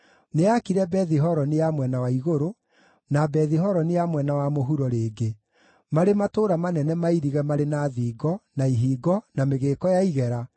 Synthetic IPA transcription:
neakiɾɛbɛðiɦɔɾɔnijamwɛnawaiɣoɾo | nabɛðiɦɔɾɔnijamwɛnawamoɦuɾɔɾeːɡe | maɾematoːɾamanɛnɛmaiɾiɣɛmaɾenaːðiːɡɔnaiɦiːɡɔnameɣeːkɔjaiɣɛɾa

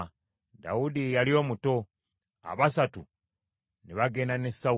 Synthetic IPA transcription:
da̰wudijalio̞ːmuto̞ | a̰βasatu | neβaɡe̞nanesːa

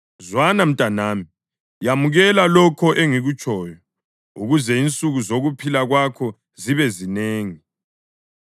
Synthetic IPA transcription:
zwanam̩tʼanaːmi | jamuɣɛlalɔkʰɔʔeŋiɣut͡ʃʼɔːjɔ | uɣuzɛint͡sʼuɣuzoɣupʰilaɣwakʰɔ | ziβɛzineːŋi

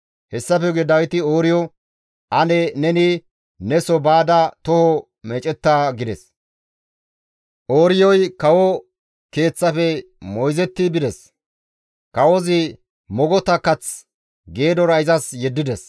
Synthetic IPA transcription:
hɛsːɐfɛɡɛd̪ɐwɪt̪ɪoːɾɪjɔ | ʔɐnɛnɛnɪ | nɛsɔbaːd̪ɐt̪ɔhɔ | mɛt͡ʃʼɛt̪ːaːɡɪd̪ɛs | ʔoːɾɪjɔjkɐwɔ | ke̞ːt͡sːɐfɛ | mɔjzɛt̪ːɪbɪd̪ɛs | kɐwɔzɪ | mɔɡɔt̪ɐkːɐt͡s | ɡe̞ːd̪ɔɾɐɪzɐsjɛd̪ːɪd̪ɛs

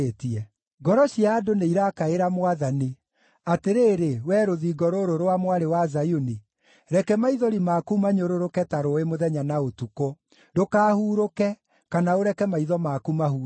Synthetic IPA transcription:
etiɛ | ɡɔɾɔɕiaːdoneiɾakaeɾamwaðani | ateɾeːɾewɛːɾoðiɡɔɾoɾoɾowamwaɾewazajoni | ɾɛkɛmaiðɔɾimaːkumaɲoɾoɾokɛtaɾoemoðɛɲanaotuko | dokaːhuːɾokɛ | kanaoɾɛkɛmaiðɔmaːkumaɦuː

